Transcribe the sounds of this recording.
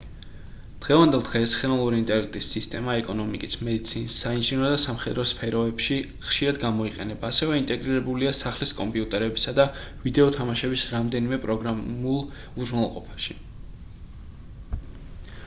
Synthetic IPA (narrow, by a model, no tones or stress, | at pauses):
d̪̥ʁɛvand̪ɛlˠd̪ʁɛsχɛnɔnlˠuɾiːnt̪ʼɛɾlɛk̚ʰt̪ʼisːist̪ʼɛmaɛkʼɔnɔmikʼismɛd̪it̪sʰinisːainʒinɔd̪asamχɛd̪ɾɔspʰɛɾɔɛbʃi | χʃiɾad̪ɡamɔiqʼɛ̰nɛbaːsɛvɛint̪ʼɛɡɾiɾɛbuliasaχliskʼɔmpʼiut̪ʼɛɾɛbisad̪avid̪ɛɔt̪ʰamaʃɛbisɾamd̪ɛnimɛpʼɾɔɡɾaulˠ | uznalˠqʼɔpʰḁʃi